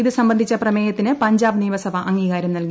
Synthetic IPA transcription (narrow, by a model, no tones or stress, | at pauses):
iðɨsɐmbɐnd̪ʱit͡ɕːɐprɐmeːjɐt̪ːinɨpɐɲd͡ʑaːbniːʋɐsɐbʱɐʔɐŋːiːɣaːɾjɐmnɐlki